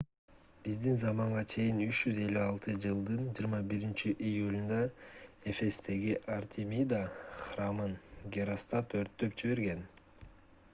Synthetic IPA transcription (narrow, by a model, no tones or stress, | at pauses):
b̥izd̪inzɑmɑɴʁɑt͡ʃʰe̞jinyt͡ʃd͡ʒyze̞lʲːyɑlˠt̪ʰɯd͡ʒɯlˠd̪ɯnd͡ʒiɾmɑbiɾint͡ʃiʔijulʲund̪ɑe̞fe̞st̪e̞ɡiʔɑrt̪ʰʲimʲid̪aχramɯnɡʲeɾast̪ɑt̪øɾt̪ːø̞p̚t͡ʃiβe̞ɾɡe̞n